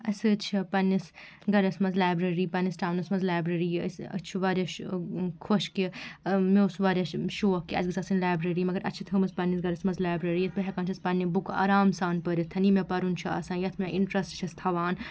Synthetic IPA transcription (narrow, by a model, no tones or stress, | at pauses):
ɐsɨt͡ʃʰipɐnːis | ɡɐɾɐsmɐnzlaːbɾɐɾiːpɐnisʈaːwnɐsmɐnzlaːbɾɐɾisɐ̰t͡ʃʰibaːɾeʃkʰoʃkimeusbaːɾʲeʃoːkːiɐ̰d͡ʒɡɨsʰasɨnlaːbɾɐɾimɐɡɐɾɐ̰tːt͡ʃʰit̪ʰɨmɐzpɐnːisɡɐɾɐsmɐnzlaːbɾɐɾijɐt̪pɐɦʲɛkaːnt͡ʃʰɐspɐnːibuka̰ːɾaːmsaːnpəɾit̪ʰɐnimepɐɾunt͡ʃʰiɐ̰sãːnjɐt̪ʰmʲeʔiɳʈɾɐsʈt͡ʃʰɐst̪ʰɐʋaːn